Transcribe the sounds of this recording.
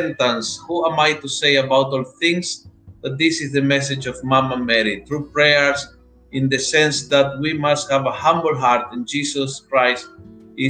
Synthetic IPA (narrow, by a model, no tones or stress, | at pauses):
nt̪ãnshuãmajt̪usejabawt̪ɔlθɪ̃ŋsðat̪̚d̪isɪsðəmɛs̬ɪd͡ʒɔvmãmamɛɾiθɾupɹeəɹs | ɪ̃nd̪ɨsɛ̃nsðat̪̚wimasthævəhãmbl̩ɦaɾt̪ĩnd͡ʒisɔskɹajst | ɪ